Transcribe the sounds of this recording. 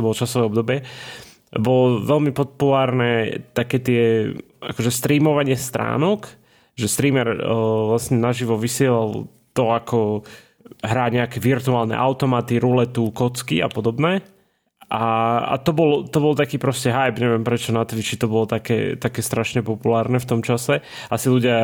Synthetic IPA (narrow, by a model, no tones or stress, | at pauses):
t̪ɔbɔlɔt͡ʃasɔʋɛːɔbd̪ɔbɪɛ | bɔlɔʋɛlmipɔpulaːɾnɛt̪akɛːt̪ɪɛ | a̰kɔʒɛst̪ɾiːmɔʋaɲɪɛst̪ɾa̰ːnɔk | ʒɛst̪ɾiːmɛɾʋlasɲɛnaʒiʋɔʋisɪɛlal | t̪ɔakʰɔ | ɦɾaːɲɛakɛʋiɾt̪uaːlˠnɛ̰ʔaʊt̪ɔmat̪iɾulɛt̪ukɔt͡skḭa̰pɔd̪ɔbnɛː | ʔaa̰t̪ɔbɔlt̪ɔbɔlt̪akiːpɾɔscɛɦajbɲɛʋɪɛmpɾɛt͡ʃɔnat̪ʋit͡ʃit̪ɔbɔlɔt̪akɛ̰ːt̪akɛːst̪ɾaʃɲɛpɔpulaːɾnɛft̪ɔmt͡ʃasɛʔasiluɟɪa